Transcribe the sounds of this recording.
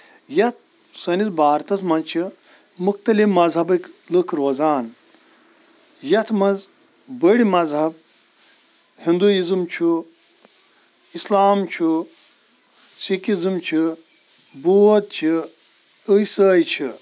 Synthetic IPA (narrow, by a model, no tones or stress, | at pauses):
jɐt̪̚ | sɐnit̪baːɾt̪ɐsmɐnt͡ʃʰi | mukt̪ɐlimɐzɦɐbɨklɨkʰɾoːzaːn | jɐt̪ʰmɐnz | bəɽʲimɐzɦɐb̚ | hind̪uizɨmt͡ʃʰu | islaːmt͡ʃʰu | sikizɨmt͡ʃʰi | buːɐt̪̚t͡ʃʰi | əsəːjt͡ʃʰi